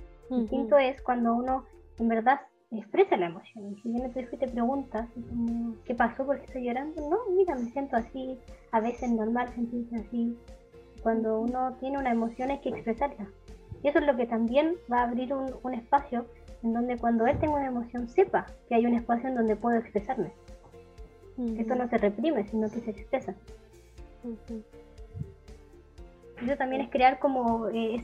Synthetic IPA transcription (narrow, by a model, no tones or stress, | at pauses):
d̪ist̪int̪oeskwand̪ouno̞ | embeɾða | ekspɾe̞salaemo̞sjo̞neŋkeβjenet̪uixoit̪epɾe̞ɣunt̪asikomokepaso̞poɾke̥t̪ojːoɾand̪ono̞miɾamesje̞nt̪oasiaβe̞seznoɾmalse̞nt̪iɾseasi | kwand̪ouno̞t̪je̞neunaemo̞sjo̞neskeːkspɾe̞saɾlaiesoezlo̞ket̪ambje̞nbaːβɾiɾunune̞spasjoe̞nd̪o̞nd̪ekwand̪oelt̪e̞ŋɡaunaemo̞sjo̞nse̞pakeajune̞spas̬joend̪o̞nd̪e̞pwe̞ðoekspɾesaɾme̞ | est̪ono̞se̞repɾime̞sino̞ke̞seːkspɾesa | esot̪ambje̞neskɾeaɾko̞moee